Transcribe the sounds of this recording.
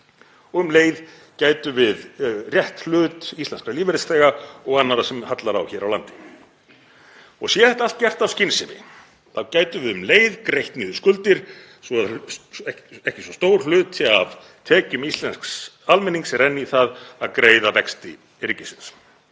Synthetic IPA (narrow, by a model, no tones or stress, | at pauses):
ɔɣʏmleːjð | caːjt̪ʏvɪðrjɛht̪llʏːt̪ist̪ɛnskaliːvɪɾɪsɛːɣaɔɣanːaɾasɛmhat̪laɾa̰wçɛːɾawlant̪ɪ̥ | ɔɣsjɛθɛht̪aalt̪̚cɛr̥t̪awscɪnsɪmɪ̰ | θawcaːjt̪ʏvɪðʏmleːjðkɾejht̪niːðʏskʏlt̪ɪɾ̥ | sɔðɛɛhcɪsɔst̪oːwɾ̥l̥ʏːt̪ʰav | t̪ʰɛːcʏmist̪lɛnsksalmɛnːiŋksɛɾɛnːiθaðaðkɾeːjðavɛkst̪ɪ̰ | ɪɾcɪsɪns